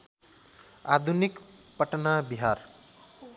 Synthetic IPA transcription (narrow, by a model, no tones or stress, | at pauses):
ad̪ʱunik | pʌʈnabiɦaɾ